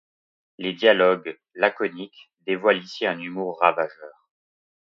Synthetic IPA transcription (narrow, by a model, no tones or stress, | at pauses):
led̪jalɔɡ | lakɔnik | d̪evwalisiɛ̃nymuʁːavaʒœːʁ